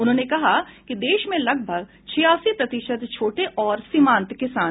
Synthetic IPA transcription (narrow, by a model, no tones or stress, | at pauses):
ʊnɦõːnekɐɦakid̪eːʃmẽlɐɡ̚bʱəɡ | t͡ʃʰɪjaːsipɾɐt̪ɪʃəd̪t͡ʃʰoːʈeʔɔːɾsɪmãːnt̪kɪsaː